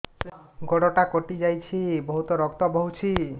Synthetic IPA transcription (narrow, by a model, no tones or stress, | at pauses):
ɡoɽɔʈakoʈid͡ʒajt͡ɕʰibɔɦut̪ɔɾɔkt̪ɔbɔɦut͡ʃʰi